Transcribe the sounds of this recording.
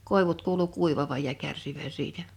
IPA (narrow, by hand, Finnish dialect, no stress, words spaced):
koˑeʋut kuːlu kuiʋɑʋɑj jɑ kærsiʋæn siːtæ